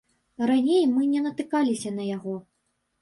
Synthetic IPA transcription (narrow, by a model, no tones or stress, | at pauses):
ranʲejmɨnʲɛnɐt̪ɨkalʲisʲɐnɐjaɣɔ